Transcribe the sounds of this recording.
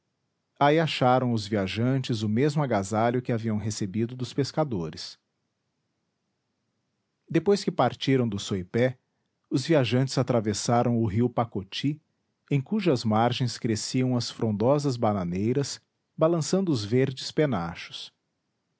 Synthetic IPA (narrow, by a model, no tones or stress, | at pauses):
aiaʃaɾɐ̃w̃ʊzviaʒɐ̃nt͡ʃɪzʊmezmʊaɡazalʎʊkɪaviɐ̃w̃ɦesebid̪ʊd̪ʊspeskad̪oɾɪs | d̪epojskɪpaɾt͡ʃiɾɐ̃w̃d̪ʊsojpɛ | ʊzviaʒɐ̃nt͡ʃɪzat̪ɾavesaɾɐ̃w̃ʊɦiwpakot͡ʃi | ẽj̃kuʒɐzmaɾʒẽj̃skɾesiɐ̃w̃ɐsfɾõnd̪ɔzɐzbananejɾɐs | balɐ̃sɐ̃nd̪ʊʊzveɾd͡ʒɪspenaʃʊ̥s